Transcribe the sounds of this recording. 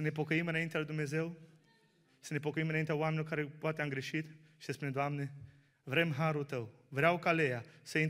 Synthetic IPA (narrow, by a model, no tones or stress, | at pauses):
səne̞p̬o̞kəimɨnaint̪ealuijd̪umne̞ze̞w | səne̞po̞kəimɨnaint̪eaoamenʲoɾkaɾe̞poat̪eamɡɾe̞ʃit̪ | ʃi̥səspuned̪oamne | vɾe̞mɦaɾult̪əw | vɾeawkalejasəin